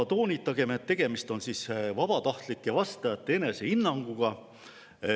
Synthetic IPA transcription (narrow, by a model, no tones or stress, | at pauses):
t̪o̞ːnʲit̪ˑːɑɡ̥e̞met̪ːe̞ɡ̥e̞mist̪o̞nsisvɑb̥ɑt̪ɑht̪likːˑe̞vɑst̪ɑjɑt̪ːee̞ne̞se̞hinːɑŋɡ̥uɡ̥ɑ